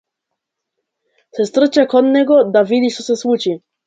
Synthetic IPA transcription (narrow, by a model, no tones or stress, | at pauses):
sɛst̪r̩t͡ɕakɔd̪nɛɡɔd̪avid̪ʲiʃt͡s̪ɔsɛswut͡ʃi